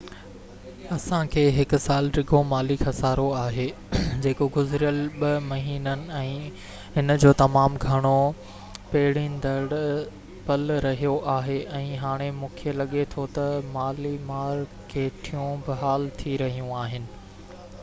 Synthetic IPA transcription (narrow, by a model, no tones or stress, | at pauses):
ɐsãkʰeːɦɪkʊ̆saːlɾɪɡʱomaːlikhɐsaːɾoaːɦeː | d͡ʑeːkoɡʊzɾijəlɓɐmɐɦiːnənɪ̆ɛ̃ː | ɦɪnd͡ʑoːt̪ɐmaːmɡʱɐɽ̃o | peːɦɪɽĩnd̪ɐɽ | pɐlɾɐɦijoʔaːɦeʔɛ̃ːɦaːɽ̃emũːkʰijəlɐɠet̪ʰot̪ɐmaːlimaːɾ | kʰeːʈʰijũbɪɦaːlt̪ʰiɾɐɦijũaːɦɪnɪ̆